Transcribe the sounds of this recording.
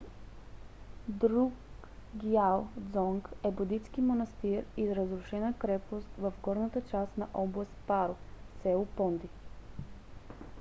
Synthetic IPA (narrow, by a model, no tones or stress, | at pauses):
d̪ɾuk | ɡjalˠd̪zɔŋkɛbud̪it̪skimonɐst̪iɾizɾəzɾuʃɛnəkɾɛpost̪vəfɡɔɾnət̪ət͡ʃast̪nɐʔɔblˠɐst̪paɾʊsɛʊpɔnd̪i